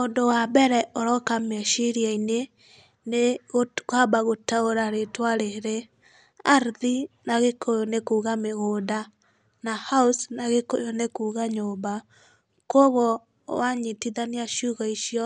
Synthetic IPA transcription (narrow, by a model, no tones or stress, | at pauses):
ondowabɛɾɛoɾɔkamɛʃiɾiaine | neɣokwabaɣotaoɾaɾetwaɾeɾe | aɾðinaɣekʰojonekuɣameɣoːda | nahausnaɣeko̰jonekuːɣaɲoba | koɣɔ | waɲitiðaniaʃuɣaiʃjɔ